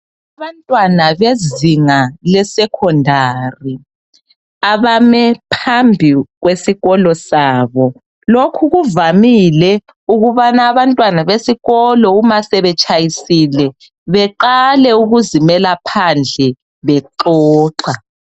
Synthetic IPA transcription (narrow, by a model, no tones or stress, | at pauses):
aβantʼwanaβeziŋalɛsɛkʰɔndʱari | aβamɛpʰambʱiɣwesiɣɔlɔsaːβɔ | lokʰuɣuvamilɛ | uɣuβanaːβantʼwanaβesiɣɔlɔumasɛβɛt͡ʃʼajisilɛ | βɛǃalɛuɣuzimɛlapʰand͡ɮʱɛ | βɛǃɔːǁa